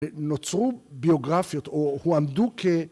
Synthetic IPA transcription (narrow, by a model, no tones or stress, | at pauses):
not͡sʁubioɡʁafjɔt̪ohuamd̪ukʰe